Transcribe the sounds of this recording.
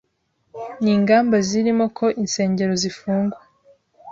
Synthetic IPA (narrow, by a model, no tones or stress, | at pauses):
niːŋɡaːmbaziɾimo̞kʰo̞ʔinse̞ːɲɟe̞ɾo̞zifuːŋɡwa